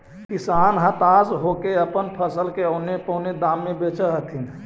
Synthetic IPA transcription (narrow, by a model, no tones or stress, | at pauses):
kisaːnɦə̃t̪azɦokeəpənpʰəsəlkeəʊnepəned̪aːmːebet͡ʃəɦət̪ʰin